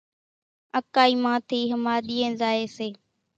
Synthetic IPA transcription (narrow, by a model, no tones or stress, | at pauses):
əkaːiːmãːt̪ʰiːɦəmaːɗiːẽːzaːeːseː